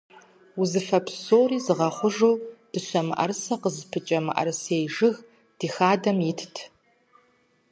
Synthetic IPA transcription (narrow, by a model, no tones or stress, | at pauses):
uzɨfɐpʰsoːriːzɨʁɐχʷʊʒowd̥ɨɕʷɐmɨ̰ʔɐ̰rsɐqəzpʰɨt͡ʃʼɐmɨ̰ʔɐ̰rsejʐɨɣ | d̥iːxaːdɐmjɪtʰtʰ